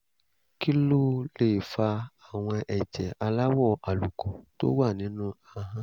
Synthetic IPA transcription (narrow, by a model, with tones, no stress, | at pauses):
ki˦lu˦le˨fa˧a˨w̃ɔ̃˧ʔɛ˨d͡ʒɛ˨a˧la˦wɔ˦˨ʔa˨lu˨kɔ˨to̰˦wa˦˨nĩ˨˦nũ˦a˧ɦã˦